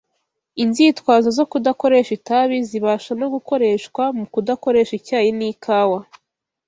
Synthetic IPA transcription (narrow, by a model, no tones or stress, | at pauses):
inziːtwaːzazo̞kudako̞ɾe̞ʃitaβiziβaːʃanoɡuko̞ɾe̞ʃkwamukudako̞ɾe̞ːʃicaːjiniːkʰaːwa